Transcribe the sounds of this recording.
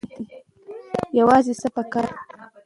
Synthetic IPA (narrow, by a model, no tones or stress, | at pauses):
t̪i | jawaːzɪsapakaɾ